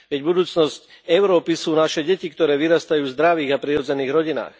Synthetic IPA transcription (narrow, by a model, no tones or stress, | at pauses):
ʋɛɟbud̪uːt͡snɔsc | ɛʊɾɔːpisuːnaʃɛɟɛcikt̪ɔɾɛːʋiɾast̪ajuːvzd̪ɾaʋiːɣapɾiɾɔd͡zɛniːɣɾɔɟina̰ːx